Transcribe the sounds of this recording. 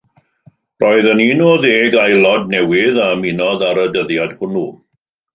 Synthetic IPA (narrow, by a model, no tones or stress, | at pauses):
rʔoɨðəninoːðeːɡajlˠɔd̚nɛwɪðamɪnɔðaɾədəðjad̥hʊnu